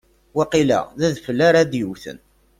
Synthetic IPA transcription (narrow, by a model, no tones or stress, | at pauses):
wæqilæ̰ðæðfəlːaɾaðjəwθə̰n